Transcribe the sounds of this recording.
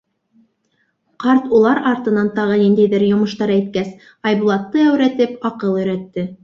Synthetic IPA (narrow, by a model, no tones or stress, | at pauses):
qɑɾt̪ulˠɑɾɑɾt̪ɤ̆nɑnt̪ɑʁɤnind̪æjðɘɾjŏmɤ̆ʃt̪ɑɾæjt̪kæs | ɑjbulˠɑt̪ːɤæwɾæt̪ɘpɑqɤlˠɵ̆jɾæt̪ːɘ